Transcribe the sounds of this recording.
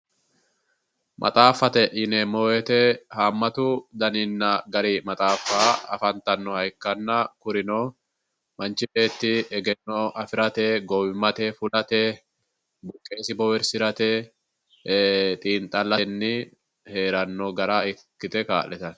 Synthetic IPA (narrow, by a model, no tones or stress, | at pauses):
mʔɐ̰t̪ʼaːfːɐt̪ɛʔɪnɛmoːwɛt̪ɛhaːmːɐt̪ʊd̪ɐnɪnːɐɡɐɾimɐt̪ʼaːfːaːɐ̰fɐnt̪ːɐnːɔhɐjkːɐnːɐkʊɾɪnoː | mɐnt͡ʃɪbe̞ːt̪ːɪɛɡɛnːɔɐfɪɾɐt̪ɛɡɔwɪmːɐt̪ɛfʊlɐt̪ɛ | bʊkʼːe̞ːsɪbɔwɛɾsɪɾɐt̪ɛ | t̪ʼiːnt̪ʼːɐlːɐnːɪ | he̞ːɾɐnːɔɡɐɾaɪkːɪt̪ɛka̰ːʔlɛt̪ɐn